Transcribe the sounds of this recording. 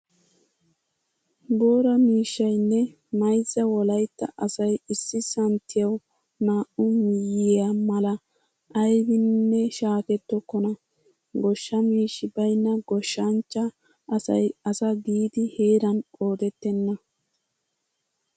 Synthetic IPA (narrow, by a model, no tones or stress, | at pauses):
bo̞ːɾɐmiːʃːɐjnːɛ | mɐjzːɐwɔlɐjt̪ːɐ̰ʔɐsɐjɪsːɪsɐnt̪ʰɪjɐw | naːʔʊmɪjɪjamɐlɐ | ʔɐjɡɪnːɛʃaːkɛt̪ːɔkːɔnɐ | ɡɔʃːɐmiːʃːɪbɐjnːɐɡɔʃːɐnt͡ʃːɐː | sɐ̰jɐsɐɡiːd̪ɪhe̞ːɾɐno̞ːd̪ɛt̪ːɛnːɐ